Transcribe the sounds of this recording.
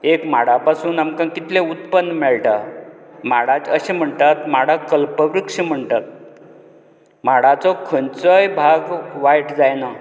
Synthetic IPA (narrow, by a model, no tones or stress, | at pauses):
ekmaɽ̤apasuːnamkãkit̪leut̪pənːmɛɭʈamaɽad͡zəɕẽm̤əɳt̪at̪maɽakəlpəʋɾikʂim̤əɳt̪at̪̚ | m̤aɽat͡sɔkʰənt͡səjbʱaɡʋajʈd͡zajna